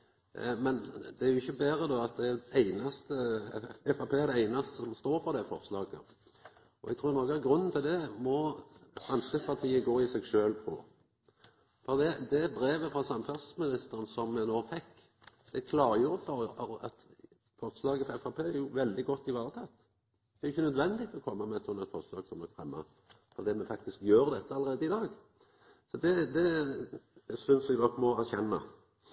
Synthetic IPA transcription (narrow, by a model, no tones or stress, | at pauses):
mɛnd̪ɛæɾjʊɪçːəbæːɾəd̪ɔɑt̪̚d̪ɛæɾd̪ɛæɪnɑst̪əɛfɑpʰeːɛd̪ɛæɪnɑst̪əsɔmst̪oːɾfɔɾd̪ɛfɔɾslɑːɡə̰ | ɔɛ̰ɡ̚t̪ʰɾuːɾnɔkəæɡɾʉnːn̩t̪ʰɪld̪ɛmɔfʁɑnskəpʰɑʁt̪ʰiːəɡoːɪsɛɡʃøːlpʰo̰ː | fɔɾd̪ɛd̪ɛbɾeːʋəfɾɑsɑmfɑsəsmɪnɪst̪əɾənsɔmːɛnoːfɛkː | d̪̥ɛkʰlɑːɾəjʊbɑɾəɑɾɑt̪ | fɔʁt̪slɑːɡəɛfɑpʰeːæɾjʊʋɛld̪ɪɡɔt̪ːɪʋɑːɾət̪ʰɑt̪ː | d̪ɛːɾɪçːənœd̪ʋɛnd̪ɪt̪ʰɔɔkʰɔmːɑmɛɛt̪sɔnːɛt̪fɔʁslɑ̰ːɡsɔmd̪ɔkfʁɛmːɑ̰ | fɔd̪iːmɛfɑk̚t̪ɪskjøːɾd̪ɛt̪ːəɑləɾeːd̪əɪd̪ɑːɡ | sɔd̪ɛd̪ɛ | æsʏnsɛɡd̪ɔkːmɔæɾçɛnːɑ̰